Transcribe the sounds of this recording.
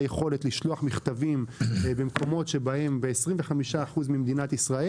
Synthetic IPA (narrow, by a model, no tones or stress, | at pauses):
jeχo̞let̪liʃloaχmiχt̪avimbemko̞mo̞t̪ʃe̞bae̞mbeːsʁimveχamiʃaːχuzmimd̪inat̪isʁae